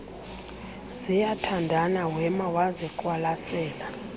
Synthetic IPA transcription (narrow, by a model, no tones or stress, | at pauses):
zijatʰandʱanawɛmawazikʼwalasɛːla